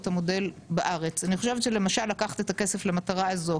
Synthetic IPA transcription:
t̪amo̞de̞lbaʔaʁe̞t͡saniχoʃevt͡ʃele̞maʃalːakaχt̪et̪ake̞se̞flemataʁaazo̞

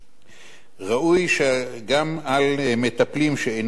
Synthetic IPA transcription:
ʁaʔujʃeɡamalme̞t̪aplimʃeejn

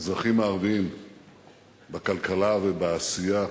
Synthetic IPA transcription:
zʁaχimaːʁvim | bakalkalavebaːsija

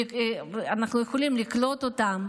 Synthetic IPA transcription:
anaχnujeχo̞limliklo̞t̪o̞t̪am

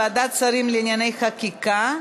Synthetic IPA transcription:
ad̪at̚t͡saɾimleinjane̞jχakika

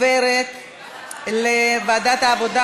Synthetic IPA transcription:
eɾet̪ | levad̪at̪aːvod̪a

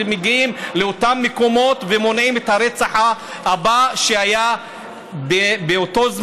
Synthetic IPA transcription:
emeɡiimleo̞tamːeko̞mo̞t̪vemo̞nʕimethaɾet͡saħa | habaʃeaja | bebeoto̞z

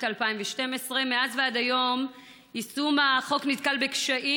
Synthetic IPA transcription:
talpaimveʃte̞mesʁemeazveadajo̞m | isumaχo̞knitkalbe̞kʃaʔi

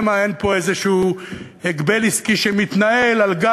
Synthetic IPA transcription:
maenpo̞ezeʃuː | eɡbeliskiʃemit̪nae̞lalɡa

